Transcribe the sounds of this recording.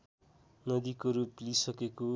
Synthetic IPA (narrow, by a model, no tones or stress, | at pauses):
nʌd̪ikoɾuplisʌkeko